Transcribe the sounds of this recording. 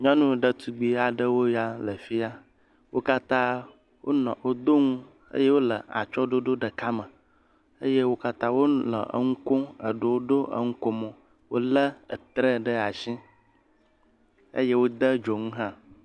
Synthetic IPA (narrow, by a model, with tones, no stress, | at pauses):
ɲɔ̃˦nũ˦ɖə˨t̪ʰu˦ɡ͡bi˦a˨ɖə˦wo˦ja˦lə˨fi˦a˦ | wo˦ka˦t̪ã˦ | wʔo̰˦nɔ̰̃˨wo˦d̪o˦ŋũ˦ | ə̰˦je˦wo˦lə˨a̰˨t͡ʃɔ˦ɖo˦ɖo˦ɖə˨ka˦mə˨ | ə˦je˦wo˦ka˦t̪ã˦wo˦lə̰˨ə̰˨ŋu˦kõ˦ə̰˨ɖo˨wo˦ɖo˦ʔə̰˦ŋũ˦ko˦mɔ̃˨ | wo̰˦lə˦ə̰˨t̪ɾə˦ɖə˦a˨sĩ˦ | ə̰˦je˦wo˦d̪ə˦d͡ʒo˨ŋũ˦ɦã˦